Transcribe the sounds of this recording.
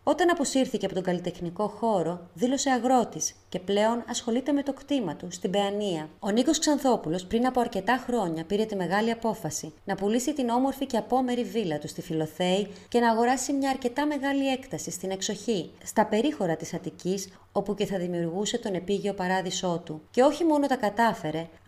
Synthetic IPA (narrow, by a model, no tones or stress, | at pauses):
o̞t̪ɐnɐpo̞siɾθiceɐpot̪o̞ŋɡɐlit̪e̞xniko̞xo̞ɾo̞ðilo̞se̞ɐɣɾo̞t̪isce̞ple̞o̞nɐsxo̞lit̪e̞me̞t̪o̞kt̪imɐt̪ust̪ibe̞ɐniɐo̞niko̞sksɐnθo̞pulo̞spɾinɐpo̞ɐɾce̞t̪ɐxɾo̞ɲɐpiɾe̞t̪ime̞ɣɐliɐpo̞fɐsinɐpulisit̪ino̞mo̞ɾfice̞ɐpo̞me̞ɾivilɐt̪ust̪ifilo̞θe̞ice̞nɐːɣo̞ɾɐsimɲɐːɾce̞t̪ɐme̞ɣɐlie̞kt̪ɐsist̪ine̞kso̞çist̪ɐpe̞ɾixo̞ɾɐt̪isɐt̪icis | o̞puce̞θɐðimiuɾɣuse̞t̪o̞ne̞piʝio̞pɐɾɐðiso̞t̪uce̞o̞çimo̞no̞t̪ɐkɐt̪ɐfe̞ɾe̞